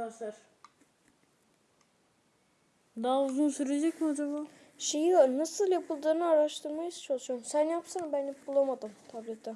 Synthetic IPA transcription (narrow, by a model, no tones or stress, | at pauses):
aɾ | d̪aːuzunsyɾed͡ʒɛkod̪ɯbu | ʃejijonɯsɯlˠjapʰɯlˠd̪aɾɯnɯaɾaʃt̪ʰɯɾmajɯst͡ʃʰolˠʃomsænjapsanbænjapbulˠamad̪ɯmt̪ʰablɛt̪ːɛ